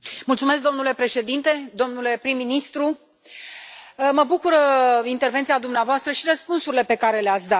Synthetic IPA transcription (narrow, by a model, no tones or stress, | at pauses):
mult̪sume̞s̬kd̪omnule̞pɾe̞ʃe̞d̪int̪e̞d̪o̞mnule̞pɾimːinist̪ɾu | məbukuɾəint̪e̞rvent̪sijad̪umneavoast̪ɾəʃiɾəspunsuɾile̞pe̞kaɾe̞leat̪sʲd̪at̪̚